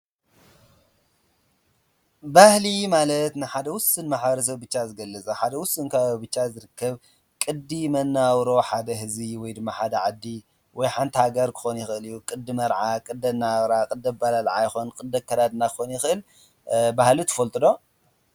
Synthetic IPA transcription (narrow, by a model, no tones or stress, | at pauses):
bahlimalɐt̪nɨħad̪ɐwʊsɨnmaħbɐɾɐs̬ɐβbɨt͡ʃːazɨɡɐlːɐt͡sʼɐħad̪ɐwʊsɨnkʰabɨt͡ʃːazɨɾɨkːɐβ | kʼɨd̪imɐnːawɾo̞ħad̪ɐɦɨziwɔjd̪ɨmːaħad̪ɐʕad̪ːi | wɔjħant̪ihaɡɐɾkʰɨ̥xonjɪxɨʔɨlijːukʼɨd̪ːɨmɐɾʕakʼɨd̪ːɐnːawɾakʼɨd̪ɐbalalʕajɪxonkʼɨd̪ːɐkʰːɐd̪ad̪ɨnakʰɨxonjɪxɨʔɨl | bahlut̪ʰɐ̥fɐlt̪ʼɨd̪o̞